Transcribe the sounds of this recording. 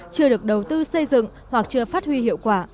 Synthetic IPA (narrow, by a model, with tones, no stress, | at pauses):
t͡ɕɨ˧əɗɨ˨˩ək̚ɗə˨˩wt̪ɨ˧sə˧jzɨ̰˧˨ŋ | hwa˨˩k̚t͡ɕɨ˧əfaː˦˥t̚hwi˧hḭ˧˨əwkwaː˧˩